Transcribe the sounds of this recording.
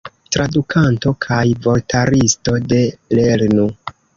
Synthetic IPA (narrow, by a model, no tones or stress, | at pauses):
tɾadukʰanto̞kʰajvo̞ltʰaɾisto̞de̞leɾnu